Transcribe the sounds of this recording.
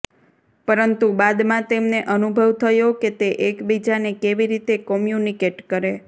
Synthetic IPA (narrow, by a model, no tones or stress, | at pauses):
pəɾənt̪ubad̪mãt̪emneʔənubʱəʋt̪ʰəjoket̪eʔekbid͡ʒanekeʋiɾit̪ekɔmjunikeʈkəɾe